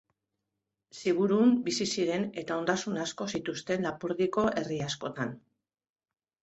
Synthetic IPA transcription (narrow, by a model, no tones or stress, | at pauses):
siɣ̞uɾumbisisiɾe̞ne̞t̪ao̞nd̪asunasko̞sit̪ust̪e̞nlapuɾðiko̞ʔe̞riasko̞t̪an